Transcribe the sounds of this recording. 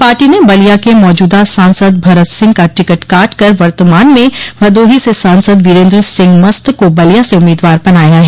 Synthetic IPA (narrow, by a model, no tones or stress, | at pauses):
paːɾʈinebɐlijakemɔːd͡ʒuːd̪asãːnsəd̪̚bʱɐɾət̪sɪ̃ŋɡkaʈɪkəʈkaːʈkɐɾʋɐɾt̪əmaːnmẽʋɐd̪oːɦisesãːnsəd̪ʋɪɾẽːnd̪ɾəsɪ̃ŋɡmɐst̪kobɐlijaseʊmːiːd̪ʋaːɾbɐnaːjaɦɛː